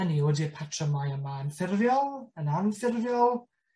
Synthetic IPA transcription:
nioːdipʰatʰrəmajəmaənfɪrvjɔlˠənanfɪrvjɔlˠ

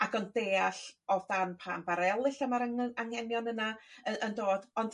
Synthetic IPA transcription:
aɡɔndeːaɬɔðdanpʰambaɾɛlˠɪɬəmaɾaŋaŋhɛnjɔnənaəʔəndoːd̥ɔnd̥

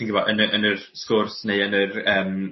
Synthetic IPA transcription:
inɡɪbɔʔənəʔənər | skʊrsneɨənərəːm

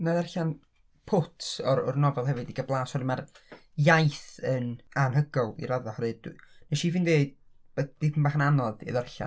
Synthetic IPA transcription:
naðɛrɬan | pʰʊtʰɔrɔrnɔvɛlˠɦɛvɨdiɡəblˠaːsɔdəmar | jajθənanhəɡɔlˠḭɾaðahɔɾɨdnɛʃifɨndeːd | b̥ɛd̥ɪpʰnbaχananɔðḭðərɬa̰n

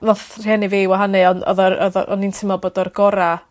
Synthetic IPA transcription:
vɔθr̥ɛnɨviwaɦanɨɔnɔ̰ðɔɔðɔɔ̰nintʰɪmɔlˠboːdɔrɡɔɾa

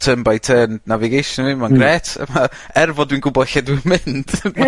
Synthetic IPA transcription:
tʰəmbajtʰənnavɪɡejʃnvimanɡrɛːtʰə̰ma | ɛrvɔdwinɡʊbɔɬɛdwimɪnd̥ma

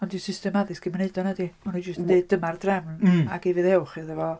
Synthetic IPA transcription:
ɔndisɪstɛmaðɨsɡ̥ʰɪmɪneɨdɔnadimanud͡ʒəstndeɨdəmardrɛmnaɡ̥evɨðɛwχiðɛvɔ

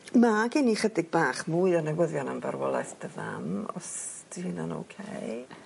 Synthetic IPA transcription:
maɡɪniχədɪɡ̚baːχmuɨɔnɛɡwəðjɔnəmvarwɔlˠajθd̥əða̰nɔ̰s | d̥ihɨnano̰wkʰej

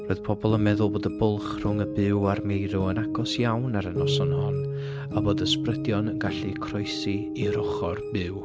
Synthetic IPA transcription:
roɨð̥pʰɔbɔlˠənmɛðʊlˠboːdəbʊlˠχr̥ʊŋəbɪwarmejɾʊənaɡɔsjawnaɾənɔsɔnhɔn | aboːdəsprədjɔnənɡaɬikʰrɔjsi | iɾɔχɔrbɪw

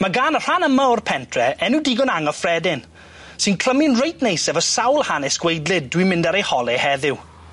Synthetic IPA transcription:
maɡaːnər̥anəmaɔrpʰɛntʰrɛɛnudɪɡɔnaŋɔfrɛdɪn | sɨnkʰl̥əmɪnrejtʰnejsɛvɔsawlˠhanɛsɡ̥wejdlˠɪd̚dwimɪ̃ndaɾejhɔlˠɛhɛðɪw

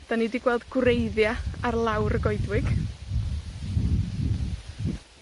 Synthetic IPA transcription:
d̥anidiɡ̥wɛlˠdɡrejðjaarlˠawɾəɡɔɨdwɪɡ̥

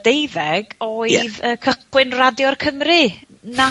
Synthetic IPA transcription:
d̥ejðɛɡ̥oːɨðəːkʰəχwɪɨnradjɔrkʰəmrɨ | na

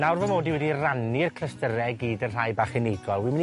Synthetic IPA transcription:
nawrvəmoːdiwɛdiranirkʰrəstəɾɛɡiːdənr̥ajbaχɛnɪɡɔlˠwimɪn

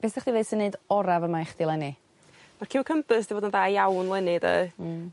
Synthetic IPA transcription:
b̥ɛsd̥ɛχd̥ivesənːeɨdɔɾavəmaχd̥ilˠɛnɨ | markʰiwkʰəmpɨsd̥ivoːdənðaːjawnlˠɛnɨdə̰

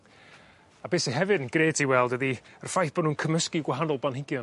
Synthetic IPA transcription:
abeːsiɦɛvɨdənɡreːtʰiwɛlˠdəðiərfajθb̥ɔnuːnkʰəməskiɡwaɦanɔlˠbanhɪɡjɔ

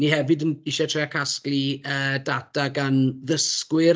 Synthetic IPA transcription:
nihɛvɨdəniʃɛtʰreakʰaskliəːdadaɡanðəskwɪ

